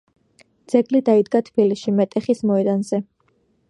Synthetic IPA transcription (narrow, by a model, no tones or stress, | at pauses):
d̪z̥ɛɡlid̪aid̪ɡat̪ʰbilisʃimɛt̪ʼɛχismɔɛd̪anzɛ